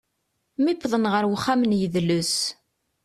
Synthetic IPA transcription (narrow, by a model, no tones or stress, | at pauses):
mipːðˤənʁəɾwəχːamənjəðlus